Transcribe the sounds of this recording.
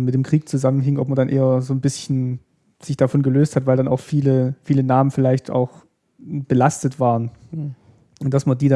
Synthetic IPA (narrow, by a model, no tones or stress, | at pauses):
mɪtd̥eːmkʁ̥iːk̚t͡suzamənɦɪŋʔɔ̰p̚mɐdanʔeːɐzoːnbɪsçn̩ | z̥ɪçd̥afɔnɡəløːsthatv̥aɪldana̰ʊxfiːləfiːlənaːmənfɪlaɪçtʔa̰ʊx | b̥əlastətv̥aːʁ̞ən | ʔʊnd̥asmadiːda